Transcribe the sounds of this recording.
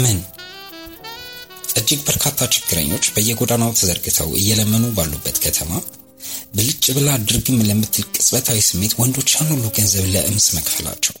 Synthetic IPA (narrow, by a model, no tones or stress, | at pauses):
mən | sʼəd͡ʒːɨkbəɾkʰat̪ʰːat͡ʃɪ̥ɡ̥ːɨɾə̰ɲːo̞t͡ʃːbəjːɛɡo̞d̪anawt̪ʰəzəɾɡɨt̪ʰə̰wʔɨ̰jːɛləmːənubalːubːət̪kʰət̪ʰəma | bəlɨt͡ʃʼːɨβɨlad̪ɨɾɡɨmləmːɨt̪ʰːɨlkʼɨsʼbət̪ʰawisɨmːe̞t̪wɔnd̪o̞t͡ʃːanːolːuɡənzəβləʔɨmsməkʼfəla̰t͡ʃːɛ̰w